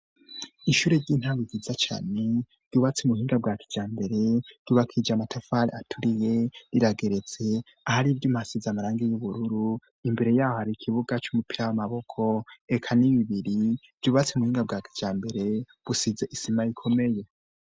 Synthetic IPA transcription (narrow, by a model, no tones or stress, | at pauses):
iʃuːɾeɾɟiːn̥haːŋwiɡizat͡ʃa̰ːne̞ | ɾɟuβat͡semuhiːŋɡab̚ɡaːkʰi̥d͡ʒ̥aːmbe̞ɾe̞ɾ̥uːβakʰid͡ʒamatʰafaɾeatʰuɾije̞ɾiɾaɡe̞ɾe̞t͡se̞ | ahaɾivjumhasizamaɾaːŋɡijuβuɾuɾu | imbe̞ɾe̞jaːhohaɾikʰiβuɡat͡ʃumupiɾawamaβo̞kʰo̞ekʰaniβiβiɾi | v̥juːβat͡semuhiːŋɡab̚ɡaːkʰi̥d͡ʒ̥aːmbe̞ɾe̞ | β̥usize̞ʔisimajikʰo̞me̞je̞